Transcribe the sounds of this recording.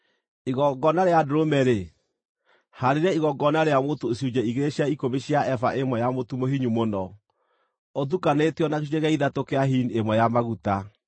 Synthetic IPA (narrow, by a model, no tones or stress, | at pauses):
iɣɔɡɔnaɾeadoɾomɛɾe | haɾeɾɛiɣɔɡɔnaɾeamotoːsiud͡ʑɛiɣeɾeɕiaikoβeɕiaʔɛfa̰ʔemwɛjamotumoɦiɲumonɔ | oðukaneteɔnakeuɛɣaiðatokeaɦiniemwɛjamaɣuta